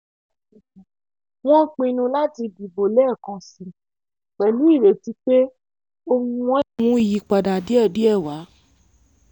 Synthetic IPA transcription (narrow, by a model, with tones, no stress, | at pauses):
w̃ɔ̃˦k͡pĩ˧˦˧nũ˧la˦ti˧bi˨bo˨lɛ˦˨kã˧˨si˨˦ | k͡pɛ˨lũ˨˦i˦˨ɾe˨ti˨˦k͡pe˦ | o˧ŋũ˧wɔ̃˦ũ˧˦i˦˨ji˨˧k͡pa˨da˨di˦ɛ˦˨di˨˦ɛ˦˨wa˨˦